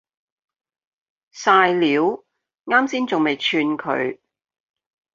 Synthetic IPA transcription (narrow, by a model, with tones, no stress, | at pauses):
saː˧jliː˨˥w | ŋaː˥msiː˥nt͡sʊ˨ŋme˨jt͡ʃʰyː˧nkʰɵ̰˨˧ɥ